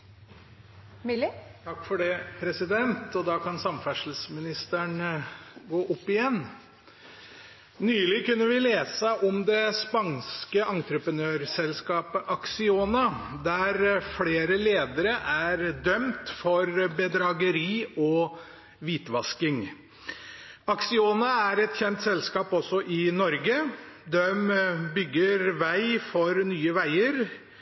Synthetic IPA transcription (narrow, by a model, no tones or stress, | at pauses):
t̪ʰɑkːfɔɖɛːpʰɾɛsɪd̪ɛnt̪ɔd̪ɑːkɑnsɑmfæʂl̩smɪnɪst̪əɳ | ɡoːʔʊpːɪjɛnː | nyːlɪkʉnːəʋɪleːsəʔɔmd̪ɛspɑnskəʔɑnt̪ɾəpɾənøːɾsɛlskɑːpəʔɑksɪoːnɑd̪æɾfleːɾəleːd̪əɾəʔæɾd̪œmt̪fɔɾbəd̪ɾɑɡəɾiːɔ | ʋiːt̪ʋɑskɪŋ | ɑksɪoːnɑæɾɛt̪çɛnt̪sɛlskɑːpɔsːɔʔɪnɔɾɡəd̪ɛmbʏɡːəɾʋæɪfɔɾnyːəʋæɪəɾ